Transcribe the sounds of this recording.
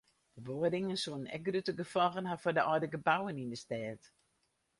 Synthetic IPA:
dəboədɪŋənsuənnɛ̰k̚ɡrøtəɡəfɔɣənhafɔdəʔɔjdəɡəbawənindəstɛːt

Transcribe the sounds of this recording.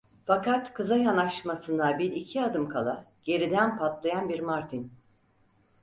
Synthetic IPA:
fakat̪kʰɯzajanaʃmasɯnd̪abiɾicʰiad̪ɯmkʰalˠaɟe̞ɾid̪ænpʰat̪lˠajanbiɾmaɾt̪ʰin

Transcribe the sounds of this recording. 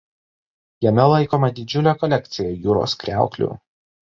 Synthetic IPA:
jɛmʲɛlˠɐɪkoːmɐd̪ʲɪd͡ʒʲʊlʲeːkɔlʲɛk̚ʲt̪sʲɪjojuːɾo̰ːskɾʲæˑʊklʲṵːˑ

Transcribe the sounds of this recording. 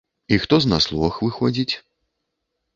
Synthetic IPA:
ixt̪ɔznaslˠɔxvɨxɔd͡zʲit͡sʲ

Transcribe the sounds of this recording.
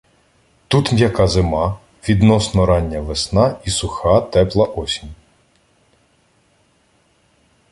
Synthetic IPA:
t̪ut̪mʲjɐkɑzemɑ | ʋʲid̪nɔsnɔɾɑnʲːɐʋesnɑisʊxɑt̪ɛplˠɐʔɔsʲinʲ

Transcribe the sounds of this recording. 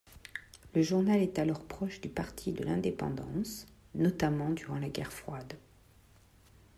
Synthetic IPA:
ləʒuʁnalɛt̪alɔʁpχɔʃd̪ypaʁt̪ʰid̪əlɛ̃d̪epɑ̰̃d̪ɑ̰̃s | nɔt̪amɑ̃d̪yʁɑ̃laɡʲɛ̰ʁfχwad̪

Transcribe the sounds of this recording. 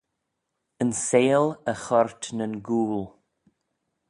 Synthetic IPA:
ənseːləxɔɹtnənɡuːl

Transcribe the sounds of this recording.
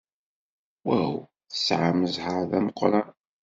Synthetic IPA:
wæw | θə̥sʕamːəzhəɾðæməqːɾˤɑn

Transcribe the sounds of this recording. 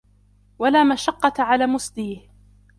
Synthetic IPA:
walaːmaʃɑqːɑʕalaːmʊsd̪iːh

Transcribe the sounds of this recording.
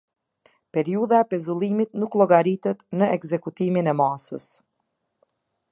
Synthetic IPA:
pɛɾiuðaɛpɛzulˠimit̪nuklˠɔɡaɾit̪ɛt̪nəɛkzɛkut̪iminɛmasə̰s

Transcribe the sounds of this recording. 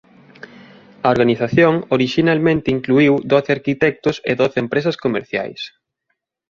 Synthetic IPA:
ɐoɾɣaniθaθjoŋoɾiʃinalmẽnt̪ɪiŋkluiwd̪oθeaɾkit̪ɛk̚t̪ʊsḛðoθempɾes̬ɐskomḛɾθja̰js

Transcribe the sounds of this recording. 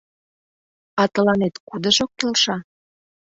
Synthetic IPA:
ɑt̪ə̆lɑnet̪kud̪ə̆ʒok̚ːelʃɑ

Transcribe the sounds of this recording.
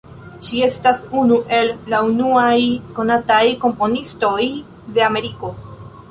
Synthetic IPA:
ʃie̞stasunuʔe̞lːaunuajko̞natajko̞mpo̞nisto̞j | de̞ame̞ɾiko̞

